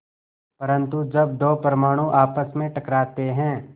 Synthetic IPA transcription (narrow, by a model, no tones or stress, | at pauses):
pɐɾə̃nt̪ud͡ʒɐbd̪oːpəɾəmaːɽ̃ũʔaːpəsmẽʈɐkɾaːt̪eɦɛ̃ː